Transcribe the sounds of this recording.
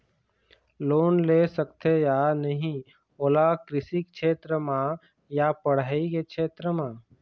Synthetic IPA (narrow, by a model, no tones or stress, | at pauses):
loːnlesəkt̪ʰejanəɦĩ | oːlakɾɪsikt͡ʃʰeːt̪ɾəmã | japəɽ̤aːikekʃʰeːt̪ɾəmãː